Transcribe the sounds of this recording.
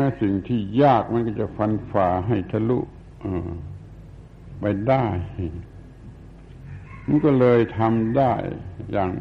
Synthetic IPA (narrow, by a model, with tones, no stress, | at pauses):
nɛ˧˥si˨˩ŋt̪ʰiː˧˩jaː˥˩k̚ma˧˥˨nkɔː˧˩t͡ɕa˧˩fa˧nfaː˨˧˦ɦa˥˩jt̪ʰa˧lṵ˧ʔ | ʔɤː˧˩ | pa˧jda˥˩j | ma˧˥˨nkɔː˧˩lɤː˧jt̪ʰa˧mdaː˥˩jːaː˨˩ŋ